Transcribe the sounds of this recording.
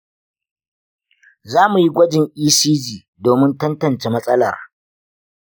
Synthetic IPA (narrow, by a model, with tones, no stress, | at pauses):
zaː˦mu˨ji˦ɡʷɐ˦d͡ʒɪ˨ŋʔiː˦siː˦d͡ʒiː˨ | doː˨mɪ˦ntɐ˦ntɐ˨nt͡ʃe˨mɐ˦sʼɐ˦lɐ̰˨r